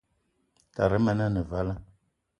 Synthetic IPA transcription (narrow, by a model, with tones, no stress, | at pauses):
ta˨ɾə˦ma˨na˦nə˨va˦la˦